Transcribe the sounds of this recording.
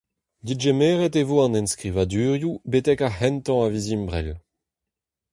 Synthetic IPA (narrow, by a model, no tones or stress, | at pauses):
d̪iʒemeːʁɛtevoːɑ̃nɛ̃nskʁivad̪yːʁjubetɛkahɛnt̪ɑ̃avizimbʁɛl